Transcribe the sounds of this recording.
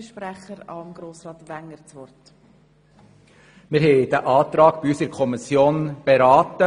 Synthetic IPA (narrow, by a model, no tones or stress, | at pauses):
ʃpɾɛχəɾɑmɡ̥ɾoːsɾɑːt̪ʋæŋːəɾt͡sʋɔrt | mɪɾɦɛɪd̥̪æʔɑːt̪ɾɑːɡ̥b̥iyːsɪɾkʰɔmisjoːnb̥eɾɑːtə